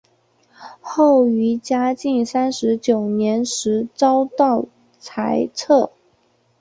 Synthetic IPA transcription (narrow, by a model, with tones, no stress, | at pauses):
xo˥˩ʊy˧˥t͡ɕja˥t͡ɕi˥˩ŋsa˥nʂɻ̩˧˥t͡ɕjo˨˩ʊnjɛ˧˥nʂɻ̩˧˥t͡sɑ˥ʊt̪ɑ˥˩ʊ | t͡sʰa˧˥ɪt͡sʰɤ˥˩